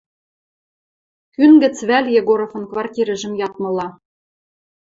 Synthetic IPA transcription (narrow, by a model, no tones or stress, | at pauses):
kynɡɘ̆t͡sβælʲjeɣoɾofɤ̆nkvɑrtʲiɾɘ̆ʒɘ̆mjɑt̪̚mɤ̆lˠɑ